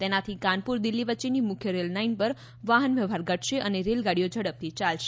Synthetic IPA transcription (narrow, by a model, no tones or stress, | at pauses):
t̪enat̪ʰikãnpuɾd̪ɪlːiʋətːt͡ʃenimʊkʰjəɾelnainpəɾ | ʋaɦənʋjəʋɦaɾɡəʈʰʃeʔəneɾelɡaɽijod͡ʒʱəɽəp̚t̪ʰit͡ʃalʃe̥